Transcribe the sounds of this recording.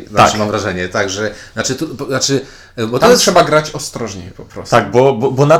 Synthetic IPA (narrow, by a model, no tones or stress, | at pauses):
zaaɨmamvɾaʐɛɲɛt̪aɡʐɛzat͡ʂɘt̪up̪at͡ʂɘ | bɔt̪ɔtʂɛbaɡɾat͡ɕɔst̪ɾɔʐɲɛ̰pɔpɾɔ̰st̪aɡ̚bɔbɔbɔna